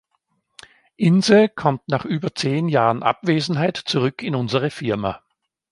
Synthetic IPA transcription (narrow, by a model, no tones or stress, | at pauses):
ʔɪnzl̩kʰɔmtnaːχʔyːbɐt͡seːnjaːʁənʔa̰pv̥eːzn̩ɦaɪtt͡suʁʏkʰɪnʊnzəʁ̞əfɪɐma